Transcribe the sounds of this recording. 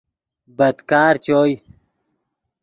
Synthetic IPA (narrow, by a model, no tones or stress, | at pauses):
bɐd̪kaːɾt͡ɕoːj